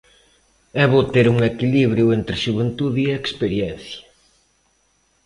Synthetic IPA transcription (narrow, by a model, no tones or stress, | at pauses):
ɛβot̪eɾuŋekiliβɾjʊent̪ɾɪʃuβent̪uðiekspeɾjɛn̟θjɐ̥